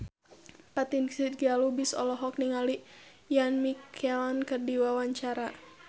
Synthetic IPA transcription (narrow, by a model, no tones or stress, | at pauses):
pat̪inksit̪̚ɡalubisɔ̰lɔɦɔk̚niŋali | janmikʰɛlankərdiwawaɲt͡ʃaɾa